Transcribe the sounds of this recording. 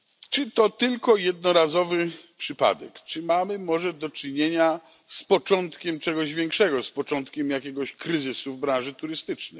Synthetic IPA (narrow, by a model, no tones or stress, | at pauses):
t͡ʂɘt̪ɔt̪ɘlkɔjɛd̪nɔɾazɔvɘpʂɘpa̰d̪ɛ̰kt͡ʂɘmamɘmɔʐɛd̪ɔt͡ʂɘɲeɲa | spɔt͡ʂɔnt̪kʲɛmt͡ʂɛɡɔʑvʲjɛŋkʂɛɡɔspɔt͡ʂɔ̃nt̪kʲɛmjakʲɛɡɔɕkɾɘzɘsuvbɾãnʐɘt̪uɾɘst̪ɘt͡ʂnɛ̰j